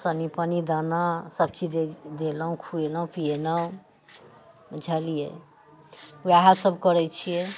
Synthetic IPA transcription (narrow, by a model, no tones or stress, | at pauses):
sənipənid̪anasəb̚t͡ʃied̪eləɦũkʰueləɦũpienaũ | d͡ʒʱəlijḛ | aɦasəbʱkəɾɛt͡ʃʰijɛ